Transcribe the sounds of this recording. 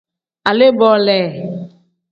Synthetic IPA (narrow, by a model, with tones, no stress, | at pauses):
a˨le˦bɔ˨lɛ˨